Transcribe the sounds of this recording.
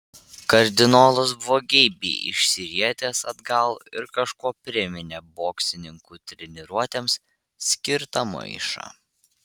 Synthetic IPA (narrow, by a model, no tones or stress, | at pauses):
kɐɾʲd̪ʲɪnoːlˠʊsbʋoːɡʲɛːbʲḭːʔɪ̰ʃʲsʲɪɾʲiɛt̪ʲeːsɐd̪ɡɐlˠɪɾkɐʃkuɔpʲɾʲɪmʲɪnʲeboːksʲɪnʲɪŋkuːt̪ʲɾʲɛnʲɪɾuɔt̪ʲems | sʲkʲɪɾt̪ɐmɐ̰ɪʃɑ̰ː